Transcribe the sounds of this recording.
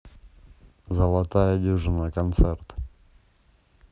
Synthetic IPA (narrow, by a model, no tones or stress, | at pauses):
zəlˠat̪ajəd̪ʲuʐɨnəkɐnt̪sert̪